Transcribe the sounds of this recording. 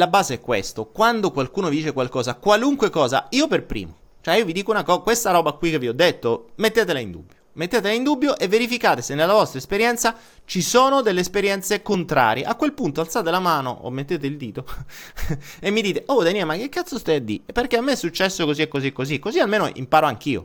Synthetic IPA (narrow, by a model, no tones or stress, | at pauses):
labaːzeɛkːwḛst̪okwand̪okwalkuːnovid̪iːt͡ʃekwalkɔːzakwaluŋkwekɔːza̰iːoperpɾḭːmo | t͡ʃoɛiːovid̪iːkounakɔkwest̪aɾɔːbakwik̟ːeviɔd̪ːet̪ːomet̪ːeːt̪elaind̪ṵbːjomet̪ːeːt̪elaind̪ubːjoʔevːeɾifikaːt̪esenːelːavɔst̪ɾaespeɾjɛnt̪sa | t͡ʃisoːnod̪elːeːspeɾjɛnt̪sekont̪ɾa̰ːɾjḛʔakːwelpunt̪oalt̪saːt̪elamaːno̰ʔo̰mːet̪ːeːt̪eild̪iːt̪o | emːid̪iːt̪eʔod̪aniamakːekːat̪sost̪ɛjad̪ːḭpːerkeamːeɛsːut͡ʃːɛsːokoziekːoziekːoziekːozialmeːno̰ʔḭmpaːɾoaŋk̟ḭːo̰